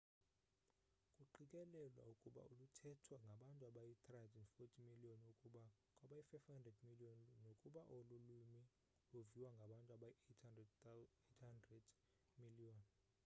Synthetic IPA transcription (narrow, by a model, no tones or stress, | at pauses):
kʼuǃikʼɛlɛlwa̰ukʼuɓa̰ulutʰɛtʰwaŋɡʱaɓantʼuaɓajit̪ʰʼrazɛnfotʰimiliɔnukʼua | kʼwaɓajifajfhandʱrɛdmiliɔnnokʼuɓaʔolulumi | loviwaŋɡʱaɓantʼuaɓaj | etʰhandrɛd | miliɔn